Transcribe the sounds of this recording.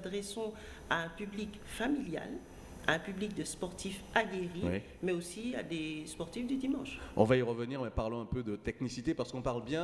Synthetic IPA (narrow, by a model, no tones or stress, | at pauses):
d̪ʁɛsɔ̃ | aɛ̃pyblik | familja̰l | aɛ̃pyblik̚d̪əspɔʁt̪ifaɡʲeʁiwi | mɛosia̰d̪espɔʁt̪ifd̪yd̪imɑ̃ʃɔ̰̃vaiʁəvəniʁmɛpaʁlɔ̃ɛ̃pød̪ət̪ɛknisit̪epaʁsə̥kɔ̃paʁlbjɛ̃